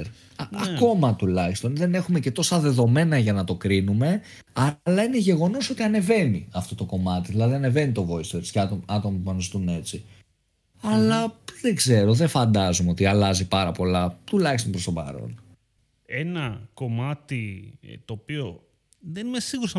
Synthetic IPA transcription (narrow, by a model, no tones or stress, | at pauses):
ɾ | ʔɐko̞mɐt̪ulɐçi̥st̪o̞nðe̞ne̞xume̞cet̪o̞sɐðe̞ðo̞me̞nɐʝɐnɐt̪o̞kɾinume̞ | ɐlɐine̞ʝe̞ɣo̞no̞so̞t̪iɐne̞ve̞niɐft̪o̞t̪o̞ko̞mɐt̪iðilɐðiɐne̞ve̞nit̪o̞vo̞ist̪eɾsceɐɐt̪o̞mɐpuɐnzit̪une̞t͡si | ɐlɐðeɡze̞ɾo̞ðefɐnd̪ɐzumeo̞t̪iɐlɐzipɐɾɐpo̞lɐt̪ulɐçist̪onpɾost̪o̞bɐ̰ɾo̰n | enɐko̞mɐt̪it̪oːpio̞ | ðenimesiɣuɾsɐ